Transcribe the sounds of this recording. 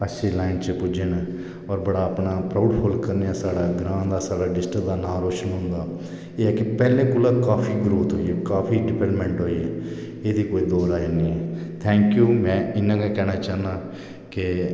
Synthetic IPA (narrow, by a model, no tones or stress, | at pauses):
əseːlaːɪnt͡ʃəpʊd͡ʒen | ɔːɾbəɽaːəpɳaːpɾaːʊɖpʰoːlkəɾneːaːsaːɽaːɡɾãːnd̪aːsaːɽaːɖɪsʈəkd̪aːnaːɾoːʃənɦʊ̃nd̪aː | eːɛːkɪpɛːlẽːkʊlaːkaːpʰiːɡɾuːt̪ɦoːiːɛːkaːpiːɖɪpəːɾʈmɛ̃ːɳʈɦoːiːɛː | eːd̪iːkoːiːd̪ɔːɾaːenẽːɛt̪ʰɛ̃ːŋkjuːmɛ̃ːɪnãːɡẽːkɛːnaːt͡ʃaːnaː | kɪ